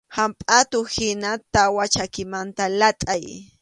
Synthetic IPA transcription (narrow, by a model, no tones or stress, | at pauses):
hampʼat̪ʊhɪnat̪awat͡ʃakɪmant̪alat̪ʼaj